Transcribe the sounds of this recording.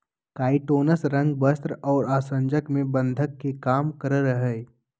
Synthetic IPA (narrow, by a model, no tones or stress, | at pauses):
kaːɪʈoːnəsɾɐ̃ŋɡ̚bəst̪ɾɔːɾaːsə̃ɲd͡ʒəkmẽbɐ̃nd̪ʱəkːekaːmkəɾɾəɦɛː